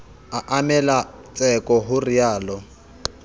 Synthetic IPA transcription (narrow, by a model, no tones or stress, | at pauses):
aʔamɛla | t͡sʼɛkʼɔɦʊriaːlɔ